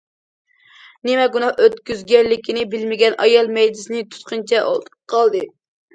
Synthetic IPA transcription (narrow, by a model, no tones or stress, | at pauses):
nɪmɛɡunɑhøt̪kʲyzɡʲɛnlːɪkʲinɪbɪlmɪɡʲɛnʔɑjɑlˠmɛjd̪ɪsɪnɪt̪ʰu̥t̪qʰɨnt͡ʃʰɛ̰qʰɑlˠd̪ɨ